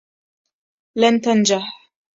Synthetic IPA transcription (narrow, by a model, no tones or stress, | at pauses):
lant̪and͡ʒaħ